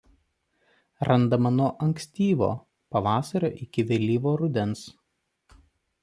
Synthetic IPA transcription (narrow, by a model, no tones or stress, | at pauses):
ɾɐnd̪ɐmɐnuɔʔɐŋksʲt̪ʲiːʋo̰ː | pɐʋɑːsɐɾʲo̰ːʔɪkʲɪʋʲɛlʲiːʋoːɾʊd̪ʲɛns